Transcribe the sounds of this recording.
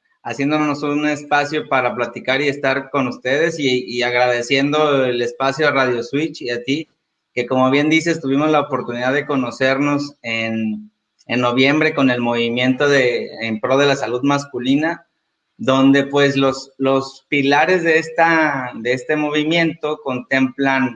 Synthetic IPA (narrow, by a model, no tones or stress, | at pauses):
asje̞nd̪onnosuune̞spasjo̞paɾaplat̪ikaɾie̞st̪aɾko̞nust̪e̞ð̞e̞siːaɣɾaðe̞sje̞nd̪o̞ele̞spasjo̞araðjo̞swit͡ʃat̪i | ke̞ko̞mo̞β̞je̞nd̪ise̞st̪uβimo̞zlaopo̞ɾt̪uniðaðeko̞no̞se̞ɾno̞sen | enːoβje̞mbɾe̞ko̞ne̞lmo̞β̞imje̞nt̪o̞ðeːmpɾo̞ð̞e̞lasaluðmaskulina | ðo̞nd̪e̞pwe̞sloslo̞spilaɾe̞zðe̞est̪aðe̞est̪e̞mo̞β̞imje̞nt̪o̞ko̞nt̪e̞mplan